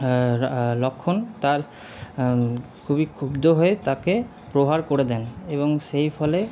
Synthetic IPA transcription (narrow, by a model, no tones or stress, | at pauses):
lɔkʰːont̪aɾ | kʰubikʰubd̪ʱoɦoet̪ake | pɾoɦaɾkoɾed̪ɛneboŋʃejfʰɔle